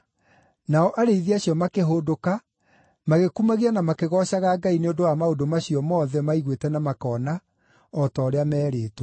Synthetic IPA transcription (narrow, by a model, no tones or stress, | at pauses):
naɔʔaɾeiðiaɕjɔmakeɦoːdoka | maɣekumaɣianamakeɣɔɕaɣaːɡaineondowamaodomaɕiɔmɔːðɛmaiɣwetɛnamakɔːna | ɔtɔːɾeamɛːɾeːtɔ